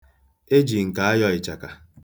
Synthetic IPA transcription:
e˦d͡ʒi˨ŋ̩˨ka˨a˦jɔ˦ɪ˨t͡ʃa˨ka˨

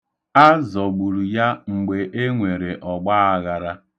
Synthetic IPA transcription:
a˦zɔ˨ɡ͡bu˨ɾu˨ja˦ŋ͡m̩˨ɡ͡be˨ʔe˦ŋʷe˨ɾe˨ʔɔ˨ɡ͡ba˦a˦ɣa˨ɾa˦

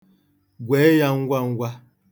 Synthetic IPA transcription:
ɡwɛ˨˦ja˦ŋ̩˦ɡwa˦ŋ̩˦ɡwa˦

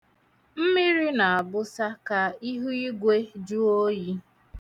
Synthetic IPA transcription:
m̩˦mi˦ɾi˦na˨a˨bʊ˦sa˦ka˦i˦ɦu˦i˦ɡʷe˦d͡ʒu˦o˦ji˦

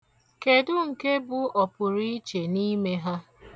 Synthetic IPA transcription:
ke˨dʊ˦ŋ̩˨ke˦bʊ˨ɔ˨pʊ˨ɾi˦t͡ʃe˨ni˦me˦ɦa˦

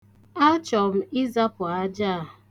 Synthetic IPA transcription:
a˦t͡ʃɔ˨m̩˦i˦za˦pʊ˨a˦d͡ʒa˦˨

